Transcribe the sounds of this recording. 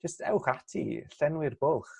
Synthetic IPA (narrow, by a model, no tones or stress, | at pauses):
d͡ʒ̥əstʰɛwχatʰḭɬɛnwɪrbʊlˠχ